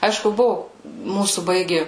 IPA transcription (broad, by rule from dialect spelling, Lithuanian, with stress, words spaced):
ˈɐɪʃkʊ ˈbʊʋʊ ˈmuːsuː ˈbɐɪɡʲɪ